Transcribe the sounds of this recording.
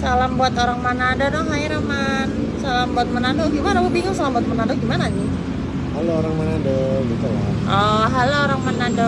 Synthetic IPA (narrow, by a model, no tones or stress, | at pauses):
salambuat̪oɾaŋmanadadɔŋɦaiɾəman | salambuat̪̚mənadoɡimanaobiŋʊŋsalambuat̪̚mənadʊɡimanad͡ʒi | halooɾaŋmanadoɡit̪ula̰ | ʔɔɦalooɾaŋmanadɔ